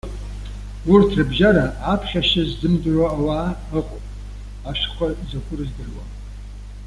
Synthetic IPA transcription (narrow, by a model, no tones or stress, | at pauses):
urtʰrɨbʒaɾaapʰχʲaʃazzɨmdraːwaː | ɨqʼopʼ | aʃχʷazakʷʰʊrɨzdɨrwa̰